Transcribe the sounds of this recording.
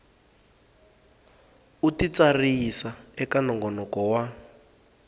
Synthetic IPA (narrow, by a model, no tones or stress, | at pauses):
utit͡sarisaɛkanɔŋɡɔnɔkɔwa